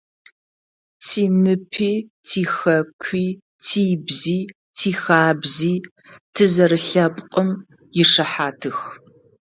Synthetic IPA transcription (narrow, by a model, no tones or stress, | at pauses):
tʰiːnɨpʰiːtʰiːxɐkʷʰiː | tʰiːbziː | tʰiːxaːbziː | tʰɨzɐɾɨɬɐpʼqʼəm | jɪʂɐħaːtʰɨx